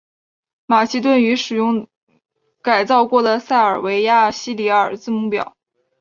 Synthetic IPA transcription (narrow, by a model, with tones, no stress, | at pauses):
ma˨˩ɕi˥t̪̬wə˥˩ny˧˥ʂɻ̩˨˩jʊ˥˩ŋ | ka˨˩ɪt͡sɑ˥˧ʊkwɔ˥˩d̪ə˩sa˥˩ɪə˞˨˩we˧˥ɪja˥˩ɕi˥li˧˥ə˞˨˩t͡sɹ̩˥˧mu˥˩pjɑ̰˨˩˦ʊ